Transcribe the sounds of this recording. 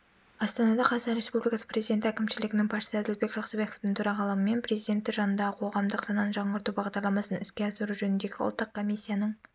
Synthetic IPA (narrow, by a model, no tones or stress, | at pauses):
ɑst̪ɑnɑd̪ɑqʰɑsɑnɾe̞spublʲijkɑsə̥prʲe̞zijd̪ʲe̞nt̪ɪækʲɪmʃɪlɪɡʲɪnɪŋpʰɑt̪ʃə̥səæd̪ɪlbe̞kʒɑqsəbe̞ko̞ft̪ɪŋt̪ʰʊɾɑʁɑlˠɑməme̞npɾe̞zijd̪e̞nt̪ːɪʒɑnənd̪ɑʁəqʰo̞ʁɑmd̪əqsɑnɑnʒɑɴəɾt̪ubɑʁd̪ɑɾlˠɑmɑsənɪskʲe̞ɑsəɾuʒɵnɪnd̪e̞ɡʲɪwʊ̰lˠt̪ːəq̚kʰo̞mʲijsʲːijanəɴ